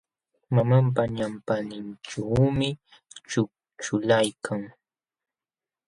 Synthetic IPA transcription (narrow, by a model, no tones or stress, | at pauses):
mamamp̬aɲampanɪnʈ͡ʂawmɪ | t͡ʃʊ | t͡ʃʊlajkʰaŋ